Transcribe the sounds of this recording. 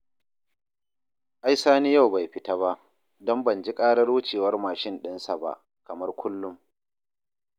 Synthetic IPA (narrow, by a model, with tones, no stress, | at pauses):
ʔa˦jsaː˦niː˦ja˦˨wba˨jɸɪ˦ta˦βa˦ʔ | dɔ˦mbɐ˨nd͡ʒi˦kʼaː˦ɽɐ˦ɽoː˦t͡ʃeː˨wɐ˦rmaː˨ʃɪ˦nɗɪ˦nsa˨ba̰˦˨ʔ | kɐ˨mɐ˦rkʷʊ˦lːʊ˦m